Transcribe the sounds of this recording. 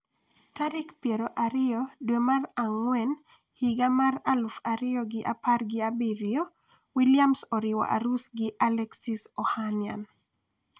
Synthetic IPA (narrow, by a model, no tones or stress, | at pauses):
taɾɪkpjeɾoʔaɾɪɔdwemaraŋwɛn | hiɡamaralufaɾɪjɔɡɪʔaparɡɪabiɾɪo | wiljamsɔɾɪwɔ̰ʔa̰ɾusɡɪʔalɛksisɔhanja̰n